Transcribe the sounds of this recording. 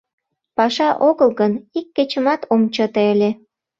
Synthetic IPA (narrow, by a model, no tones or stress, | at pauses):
pɑʃɑʔoɣəlɣənikːet͡ɕə̆mɑt̪ʰomt͡ɕət̪eelʲe